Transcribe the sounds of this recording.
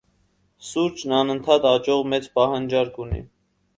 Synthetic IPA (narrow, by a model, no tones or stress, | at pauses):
suɾt͡ʃnɑnənt̪ʰɑt̪ɑt͡ʃɔʁmɛt͡spɑɦɑnd͡ʒɑɾkunḭ